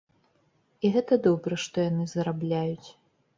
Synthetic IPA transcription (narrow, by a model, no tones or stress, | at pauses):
iɣɛt̪ɐd̪ɔbɾɐʂt̪ɔjanɨzɐɾablʲajut͡sʲ